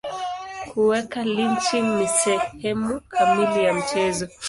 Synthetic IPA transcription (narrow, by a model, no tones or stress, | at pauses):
kuwɛkaliɲt͡ʃiŋnisɛhɛmukʰamilijam̩t͡ʃɛzɔ